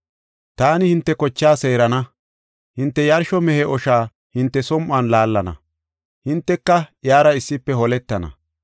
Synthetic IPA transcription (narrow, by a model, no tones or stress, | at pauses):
t̪aːnɪhɪnt̪ːɛkɔt͡ʃːaːse̞ːɾɐnɐ | hɪnt̪ːɛjɐɾʃɔmɛhɛʔɔʃaː | hɪnt̪ːɛsɔmʔaːnlaːlːɐnɐ̰ | hɪnt̪ːɛkːɐjaːɾɐɪsːɪpːɛhɔlɛt̪ːɐnɐ̰